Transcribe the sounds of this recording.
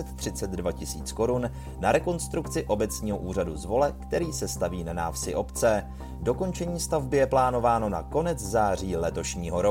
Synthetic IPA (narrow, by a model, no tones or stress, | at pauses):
ɛt̪t̪ːr̥ɪt͡sɛd̪dvacɪsiːt͡sko̞ɾun | naɾɛko̞nst̪ɾukt͡sɪʔo̞bɛt͡sɲiːɦo̞ʔuːr̝aduzvo̞lɛkt̪ɛɾiːsɛst̪aviːnanaːfsɪʔo̞pt͡sɛ | do̞ko̞nt͡ʃɛɲiːst̪avbɪjɛplaːno̞vaːno̞na̰ko̞nɛt͡szaːr̝iːlɛt̪o̞ʃɲiːɦo̞ɾo